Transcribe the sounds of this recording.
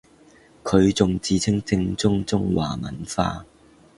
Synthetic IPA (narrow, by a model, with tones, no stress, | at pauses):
kʰɵ˨˧ɥt͡sʊ˨ŋt͡siː˨t͡sʰɪ˥ŋt͡sɪ˧ŋt͡sʊ˥ŋt͡sʊ˥ŋwa̰ː˨˩mɐ̰˨nfa̰ː˧